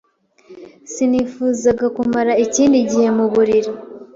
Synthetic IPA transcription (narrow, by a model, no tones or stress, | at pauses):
sinifuːzaɡakumaɾaiciːndiɟihe̞muβuɾiɾi